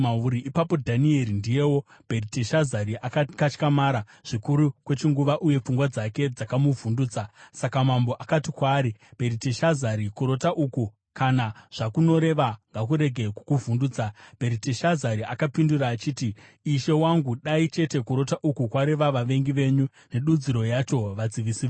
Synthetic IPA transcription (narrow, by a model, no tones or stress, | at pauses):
mauɾiʔipapo̞dʱanie̞ɾindije̞wo̞ | b̥ʱe̞riteʃazaɾiʔakkat͡ʃkamaːɾa | ʐ̥ikuɾukwe̞t͡ʃiŋɡuʋaʔuje̞p͡fuŋɡwad͡zake̞d͡zakamuvunduːt͡sasakamambo̞ʔakatikwaːɾib̥ʱe̞ɾiteʃazaɾikuɾo̞taʔuku | kanaʐ̥akuno̞ɾe̞ʋaŋɡak̬uɾe̞ɡʱe̞kukuvunduːd͡zab̥ʱe̞ɾiteʃazaɾiʔakapinduraːt͡ʃiːtiː | ʃe̞waŋɡuɗait͡ʃe̞te̞kuɾo̞taʔukukwaɾe̞ʋaʋaʋe̞ŋɡiʋe̞ːɲu | ne̞ɗud͡ziɾo̞jat͡ʃo̞ʋad͡ziʋisiː